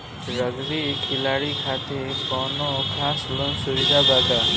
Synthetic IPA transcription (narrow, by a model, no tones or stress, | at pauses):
ɾʌɡɾikʰilaɽikʰat̪epɔnokʰaslonsuɾid̪ʱabat̪a